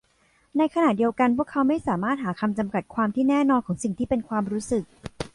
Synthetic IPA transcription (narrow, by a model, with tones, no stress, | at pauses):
na˧jkʰa˧naː˨˩t̪̚di˧əwka˧npʰu˥˩əkʰːa˦˥wma˥˩jsaː˨˩˦maː˥˩t̪̚ɦaː˩˦kʰa˧mt͡ɕa˧mka˨˩t̪̚kʰwaː˧mt̪ʰiː˥˩nɛː˥˩nɔː˧nkʰɔː˩˦ŋsi˨˩ŋt̪ʰiː˥˩pe˧nkʰwaː˧mɾuː˦˥sɯ˨˩k̚